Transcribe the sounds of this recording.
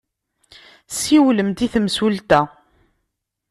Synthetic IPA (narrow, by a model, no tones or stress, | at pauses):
siwləmt̪iθmsult̪æ